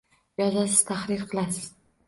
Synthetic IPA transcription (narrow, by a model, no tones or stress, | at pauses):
jɒzasɪz̥t̪ʰaχɾɪɾqʰɨlˠasɪz̥